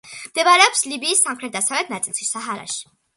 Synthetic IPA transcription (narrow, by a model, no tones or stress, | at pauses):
md̪ɛvaɾɛɔpslibiːsːamχɾɛt̪̚d̪asavlɛt̪ʰnat̪sʼlˠʃisaɦaɾa̰ʃi̥